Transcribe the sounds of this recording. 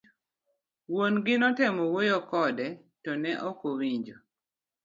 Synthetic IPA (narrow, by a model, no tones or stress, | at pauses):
wonɡɪnɔtɛmɔwojɔkɔdɛ | tɔnɛʔɔkowiɲd͡ʒo